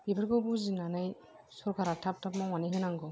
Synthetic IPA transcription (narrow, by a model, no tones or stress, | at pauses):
ibɯɾɡɔbuzinanaj | sɔɾɡaɾatʰap̚tʰap̚mɔwanijɦɯnaŋɡɔ